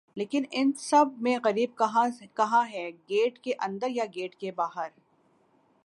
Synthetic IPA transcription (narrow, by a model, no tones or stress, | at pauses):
leːkɪnɪnsɐb̚mẽɣɐɾiːb̚kɦkɐɦãɦɛɡeːʈkeʔɐ̃nd̪əɾjaɡeːʈkebaːɦəɾ